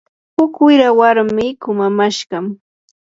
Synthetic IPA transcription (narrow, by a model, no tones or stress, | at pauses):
hʊkwɪɾawaɾmɪkʊmamaʃɢɑm